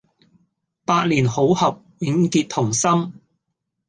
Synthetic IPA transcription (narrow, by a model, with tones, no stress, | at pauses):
paː˧t̚liː˨˩nho˨˥whɐ˨p̚wɪ˨˧ŋkiː˧t̚t̪ʰʊ˨˩ŋsɐ˥m